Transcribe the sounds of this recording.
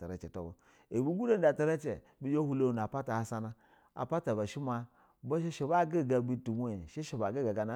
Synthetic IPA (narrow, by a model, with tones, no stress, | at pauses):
ta˨ɾe˦t͡ʃe˨to̰˦bo˨ | e˨bi˦ɡu˦de˦n˦da˨ta˦ɾe˦t͡ʃḛ˨ | bi˦jo˦hu˦lo˦˨n˨a˨pa˦ta˨ha˨sa˦na˦ | a̰˨pa˦ta˨ba˨ʃi˦ma˨ | bo˦ʃe˦ʃe˨ba˦˨ɡe˦˨ɡa˨bi˦tu˨mʷ˦o˦˨ʃe˦ʃe˨ba˨ɡe˦ɡa˨ɡa˨na˨˦